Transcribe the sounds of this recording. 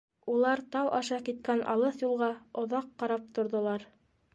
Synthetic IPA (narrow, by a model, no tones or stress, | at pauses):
ulˠɑɾt̪ɑwʔɑʃɑkit̪̚kænʔɑ̰lˠɤθjulˠʁɑŏðɑqːɑɾɑp̚t̪ŏɾðŏlˠɑɾ